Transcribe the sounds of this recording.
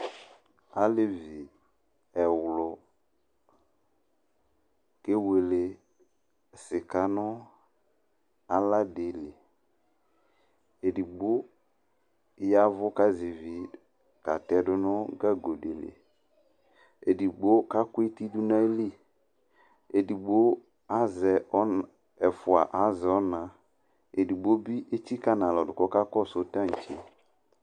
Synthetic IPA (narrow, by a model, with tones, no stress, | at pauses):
a˨lɪ˨vi˨ | ɛ˨wlʊ˨ | ke˦we˨le˨ | sɪ˨ka˨˦nʊ˦ | a˦la˦de˨le˨ | e˨di˨ɡ͡bʊ˦ | ja˦vʊ˦ka˦zɪ˨vi˨ | ka˨tɛ˦dʊ˦nʊ˦ɡa˦ɡo˨de˨lḛ˨ | e˨di˨ɡ͡bo˦ka˦kʊ˦i˦ti˦du˦na˦e˦li˦ | e˨di˨ɡ͡bo˦ | a˦zɛ˨ɔ˦ | ɛ˨fʊ˨a̰˨ʔa˨˦zɛ˨ɔ˦nã˨ | e˨di˨ɡ͡bo˦bi˦ʔe˦ti˦ka˦na˨lɔ˨dʊ˨kɔ˦ka˦kɔ˦˨so˦tã˦˨t͡ʃe˦